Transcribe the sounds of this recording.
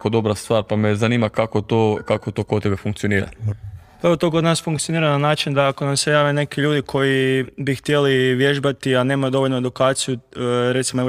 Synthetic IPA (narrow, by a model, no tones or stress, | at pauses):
kod̪o̞bɾast̪ʋaːɾpamezaniːmakakot̪oːkakot̪okoebefuŋkt̪sijo̞niːɾa̰pɾaot̪okod̪naːsfuŋkt̪io̞niːɾananaːt͡ʃind̪aako̞namsejaːʋene̞kiʎuːd̪ikʰo̞jibixt̪je̞liʋje̞ʒbat̪iane̞ːmajud̪o̞ʋo̞ʎʲnoed̪ukaːt̪sijuɾe̞t̪simoe